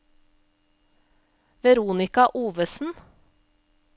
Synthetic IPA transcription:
ʋɛɾuːnɪkɑʔuːʋəsn̩

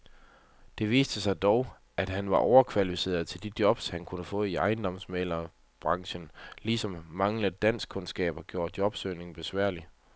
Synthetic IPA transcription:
d̥e̝ʋḭːsd̥əsɑ̈ɪd̥ɒʊ | æd̥ɦænʋɑ̈ʔɒʊɐkʰʋælifise̝̰ːɐðˠt͡sʰe̝ld̥id̥jɒ̽b̥shænkʰunəfɔ̰̽ːiɑ̈ɪn̩d̥ɒ̽msmeːlɐ | b̥ʁɑ̈ŋɕənlisɒ̽mːɑ̈ŋləd̥æn̰sɡ̥kʰɔ̽nsɡ̥ɛ̰ːb̥ɐɡ̥jo̝ːɐd̥̚jɒ̽b̥søːne̝ŋ̩b̥e̝sʋæɐ̰li

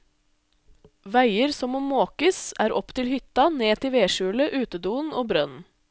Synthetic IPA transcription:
ʋæɪəɾsɔmɔmmːoːkəsæːɾʔɔpt̪ʰɪlhʏt̪ɑneːt̪ʰɪʋeːʃʉːləʔʉːt̪əd̪uːnoːbɾœnn

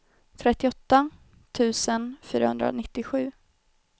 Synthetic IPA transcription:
t̪ʰɾɛt̪ːɪɔt̪ːa | t̪ʰʉ̟ːsənfy̰ːɾahɵ̰nd̪ɾa̰nɪt̪ːɪɧʉ̟ː

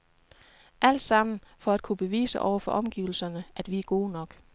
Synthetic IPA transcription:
ʔæl̰d̥sɑ̈m̰n̩fɒ̽æd̥̚kʰub̥e̝ʋḭːsəʔɒ̰ʊɐfɒ̽ʔɒ̽mɡ̥ḭːʊl̩sɐnəʔæd̥ʋiæɐɡ̥o̝ːnɒ̽ɡ̥

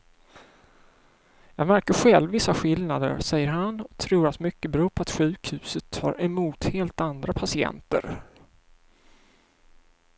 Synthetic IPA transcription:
jɑːɡmæɾkəɧɛlvːɪsːaɧɪlnad̪ə̰ɾsɛjːəɾɦanɔt̪ʰɾuːɾat̪mʏkːəbɾuːpʰɔat̪ɧʉ̟ːkhʉ̟ːsət̪ʰːhɑɾɛmuːt̪heːlt̪and̪ɾapʰasɪɛ̰nt̪ə̰ɾ

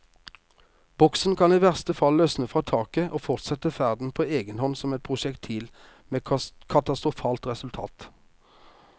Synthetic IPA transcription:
b̥ɔksn̩kʰɑniːʋæʁst̪əfɑlːøsnəfʁɑːt̪ʰɑːkəʔoːfɔʁt̪sɛt̪əfæʁd̪n̩pʰoːeːɡənhɔnsɔmɛt̪̚pʰʁʊʃɛkt̪ʰiːl | meːkʰɑt̪ɑst̪ʁʊfɑːlt̪ʁɛsʉlt̪ʰɑ̰ːt̪

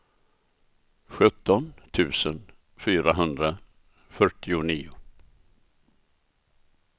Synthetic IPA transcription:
ɧɵt̪ʰːɔnt̪ʰʉ̟ːsən | fyːɾaɦɵnd̪ɾa | fœʈːɪʊniːʊ

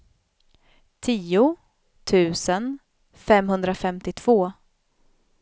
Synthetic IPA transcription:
t̪ʰiːʊ | t̪ʰʉ̟ːsən | fɛmɦɵnd̪ɾafɛmt̪ɪt̪ʰv̥oː

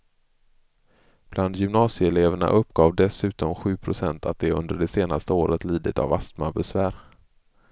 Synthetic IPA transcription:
b̥land̪jʏmnɑːsɪɛleːvəɳa̰ʔɵpːɡɑːvd̪ɛsʉ̟ːt̪ɔmɧʉ̟ːpʰɾʊsɛnt̪ʰat̪̚d̪ɛɵ̰nd̪əɖɛseːnast̪əoːɾət̪liːd̪ɪt̪a̰vast̪mabɛsvæːɾ

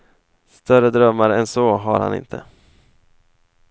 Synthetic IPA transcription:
st̪œrəd̪ɾœmːaɾɛnsoːɦa̰ɾha̰nɪ̰nt̪ʰə̰

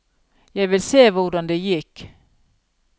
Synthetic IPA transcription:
jɛɪʋɪlseːvʊɖɑnd̪ɛjɪkː

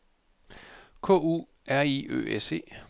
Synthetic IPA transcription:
kʰɔ̰̽ːṵː | æɐiø̰ːʔese̝̰ː

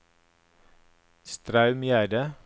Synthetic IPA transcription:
st̪ɾɑʉmjæːɖə

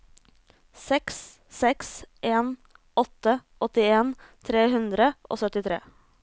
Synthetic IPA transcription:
sɛks | sɛksʔeːn | ɔt̪əʔɔt̪ɪeːnt̪ʰɾeːhʉnd̪ɾəʔo̰ːsœt̪ɪt̪ʰɾḛː

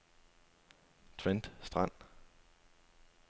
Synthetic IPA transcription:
t͡sʰʋend̥sd̥ʁɑn̰

